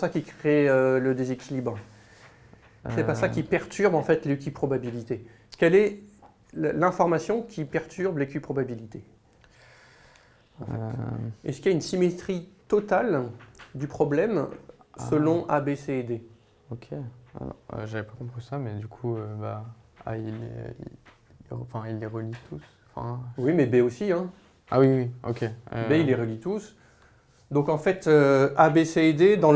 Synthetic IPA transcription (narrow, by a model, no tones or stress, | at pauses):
sakʲikχeøləd̪ezekʲilibʁ | sɛpasakʲipɛʁt̪ʰyʁbɑ̃fɛt̪lekʲypχɔbabilit̪e | kʲɛlɛ | llɛ̃fɔʁmasjɔ̃kʲʰipɛʁt̪ʰyʁblekʲypχɔbabilit̪e | ɑ̃fɛ̰ɛsə̥kʲiaynsimet̪χit̪ɔt̪ald̪ypχɔblɛmsəlɔ̃ʔabesed̪e | okʰʲḛ̃ | ø̰ʒavɛpakɔ̃pχisamɛd̪ykʰuøba | a̰ilḛḭ | eɑ̃fɛ̃ilːeʁəlit̪ʰus | ɑ̃fɛ̰̃wimɛbeosiɛ̃ | a̰wiwiokʲebeilːeʁəlit̪us | d̪ɔ̃kɑ̃fɛt̪øabesed̪ed̪ɑ̃